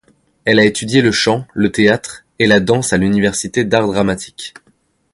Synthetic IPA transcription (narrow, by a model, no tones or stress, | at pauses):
ɛlaet̪yd̪jeləʃɑ̃lət̪eat̪χ | elad̪ɑ̃salynivɛʁsit̪ed̪aʁd̪ʁamat̪ʰi̥kʲ